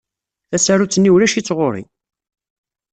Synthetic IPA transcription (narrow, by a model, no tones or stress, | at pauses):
θæsaɾut͡sːənːiwlæʃit͡sːʁoɾḭ